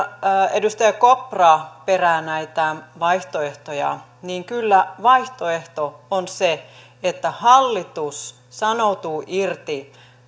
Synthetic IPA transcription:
edust̪ɑjɑkopːrɑperæːnæit̪æʋɑiht̪oeht̪ojɑ̰ | niːŋkylːæʋɑiht̪oeht̪oonse | et̪ːæhɑlːit̪us | sɑnout̪uːʔirt̪i

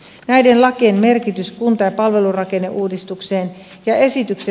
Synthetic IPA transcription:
næjde̞nlɑkenme̞rkit̪yskunt̪ɑjɑpɑlʋe̞lurɑke̞nːeʔuːdist̪ukse̞ːn | jɑe̞sit̪ykse

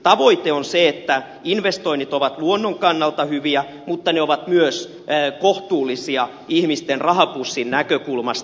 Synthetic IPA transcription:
t̪ɑʋoit̪eonseet̪ːæ | inʋest̪oinit̪oʋɑt̪luonːoŋkɑnːɑlt̪ɑhyʋiæ | mut̪ːɑneoʋɑt̪myøs | koht̪uːlːˑisiɑ | ihmist̪enrɑɦɑpusːinnækøkulmɑst̪

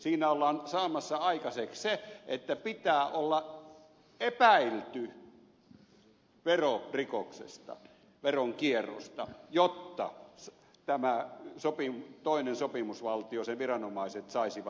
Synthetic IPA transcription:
siːnæolːɑːnsɑːmɑsːɑɑikɑseksseet̪ːæpit̪æːʔolːɑ | ʔepæilt̪y | ʋerorikoksḛst̪ɑ̰ | ʋeroŋkierːo̰st̪ɑjot̪ːɑ̰s | t̪æmæsopimt̪oˑinensopimusʋɑlt̪ioseʋirɑnomɑˑiset̪sɑˑisiʋɑ

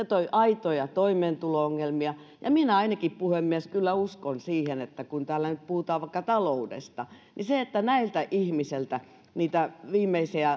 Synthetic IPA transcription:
et̪oiʔɑit̪ojɑt̪oimeːnt̪ulooŋːelmiɑ | jɑ̰minæɑinɑkippuhemːieskylːæuskonsiːhenet̪ːækunt̪æːlːænyt̪̚puhut̪ɑːʋʋɑikːɑt̪ɑloudḛst̪ɑniseet̪ːænæilt̪æʔihmiselt̪æ | niːt̪æʋiːmːˑeisiæ

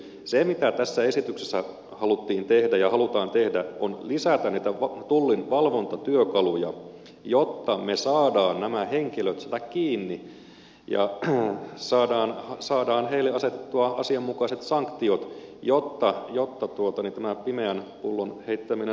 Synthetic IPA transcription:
semit̪æt̪æsːæesit̪yksesːæ | hɑlut̪ːiːnt̪ehdæjɑhɑlut̪ɑːnt̪ehdæʔonlisæt̪æniːt̪æʋt̪ulːinʋɑlʋo̞nt̪ɑt̪yøkɑlujɑ̰ | jot̪ːɑmesɑːdɑːnnæmæheŋkiløt̪sɑt̪ækkiːnːi | jɑ̰ | sɑːdɑːnɑsɑːdɑːnheileɑset̪e̥t̪ːuɑɑsiɑmːukɑiset̪sɑŋkt̪iot̪jot̪ːɑjot̪ːɑt̪uot̪ɑnint̪æmæpimeænpulːonheit̪ːæmine

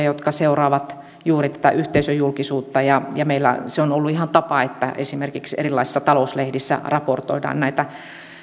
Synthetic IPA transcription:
jot̪kɑseurɑːʋɑt̪ | juːrit̪æ̥t̪æ̰ʔyht̪eisøjulkisuːt̪ːɑjɑjɑmeilːæ̰seonolːuihɑnt̪ɑpɑet̪ːæ̰ʔḛsimerkiksḛrilːɑisi̥sːɑt̪ɑlouslehdisːæ̰rɑport̪o̰idɑ̰ːnnæit̪æ

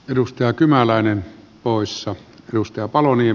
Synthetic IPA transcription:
edust̪ɑjɑkymælæˑenen | poˑesːɑedust̪ɑjɑpɑlonie

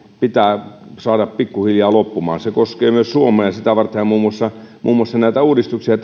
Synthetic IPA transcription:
pit̪æːsɑːɾɑppikːuhiljɑːlopːumɑ̰ːnsekoskeːmyøssuomˑeːjɑsit̪æʋɑrt̪ːeɑmmuːmːuɑsːɑmʔṵːmuˑɑsːɑnæit̪æuːdist̪uksiɑt̪

